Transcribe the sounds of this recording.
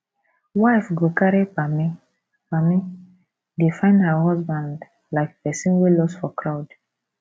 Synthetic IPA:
waɪfɡokaɹipami | bami | defãɪ̃ndhəɦɔsbãnd | laɪkpɛsĩnwelɔsfɔkʰɹaʊd

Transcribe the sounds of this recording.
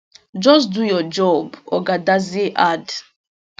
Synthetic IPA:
d͡ʒɔsdujɔd͡ʒɔbɔ̰ɡadaziʔad

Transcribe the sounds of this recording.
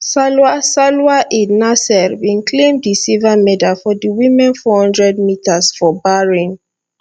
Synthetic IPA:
salasalwaʔinasɛɹbĩnkʰlẽmdisivamɛdalfɔdiwĩmɛ̃nfɔhɔ̃ndɹɛd̚mitʰasfɔbaɹĩn

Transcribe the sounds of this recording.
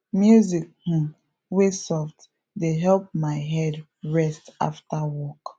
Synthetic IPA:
mjuzik̚h̩ | wesɔfd | deɦɛlp̚maɪɦɛd | ɹɛsta̰ftawɔk

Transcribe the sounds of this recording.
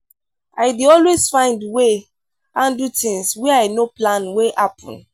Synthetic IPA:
aɪdiɔlwezfãɪ̃ndwe | ãndutĩŋswɛaɪnoplãnwehapʰɔ̰̃n

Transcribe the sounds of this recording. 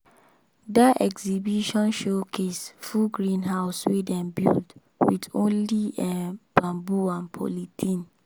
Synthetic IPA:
daɛ̰ɡzibiʃɔ̃nʃokʰesfuɡɹĩnɦaʊswedɛ̃nbḭld | widõnliɛ̃b̥ãmbuãnpʰɔ̰litʰĩn

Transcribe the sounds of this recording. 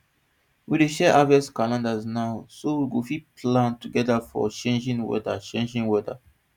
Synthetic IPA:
wideʃɛʔavɛskalãndaznaʊsowiɡofiplãntuɡɛdafɔ̰t͡ʃẽnd͡ʒĩnwɛ̰dat͡ʃẽnd͡ʒĩnwɛda̰

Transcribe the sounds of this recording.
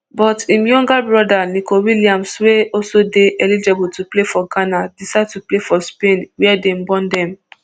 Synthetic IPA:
bɔtimjɔ̃ŋɡabɹɔdanikowiliãmsweɔsodeʔɛlid͡ʒebutuplefɔɡanadisad̚tuplefɔspẽnwiɛdem̩bɔ̃ndɛ̃m

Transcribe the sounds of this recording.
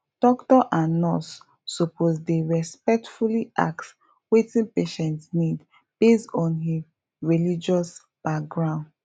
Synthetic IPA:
d̥ɔktɔʔãnːɔsː | ɔpʰozdeɹɛspɛk̚tfulia̰ks | wetĩnpeʃɛ̃ntsnid | b̥estɔ̃nɦi | ɹilid͡ʒɔs | b̥ak̚ɡɹãʊ̃nd

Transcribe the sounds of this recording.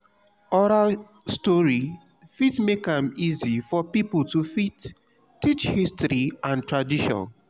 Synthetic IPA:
ɔɾalstɔɹi | fitmekãmizifɔpipltufit | tːit͡ʃhistɾiãntɹadiʃɔ̰̃n

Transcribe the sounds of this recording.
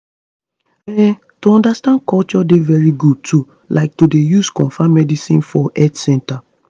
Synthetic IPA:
ɛ̃n | toɔ̃ndastãnkɔlt͡ʃɔdevɛɹiɡud̚tʰu | lʔaɪk̚todejuskɔ̃nfamɛdisḭ̃nfɔʔɛtsɛ̃nta

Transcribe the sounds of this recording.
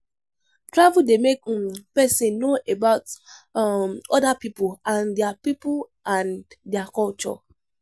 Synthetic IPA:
tɹavudemekpɛsɪ̃nːoʔebaʊt | ɔdapipʊlãndɛapipʊlʔãndɛakɔlt͡ʃɔ̰

